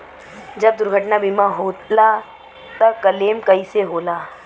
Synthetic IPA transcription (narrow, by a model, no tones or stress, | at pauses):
d͡ʒɐb̚d̪ʊɾɡʱəʈnabimaɦoːla | t̪ɐkɐleːmkɐiseɦoːlaː